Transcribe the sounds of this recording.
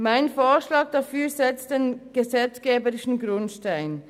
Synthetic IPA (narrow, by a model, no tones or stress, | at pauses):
maɪnfoːʃlɑːɡ̚d̥afyːzɛt͡std̥eːnɡ̥əzɛt͡sɡ̥eːbəʁɪʃn̩ɡʁʊntʃtaɪn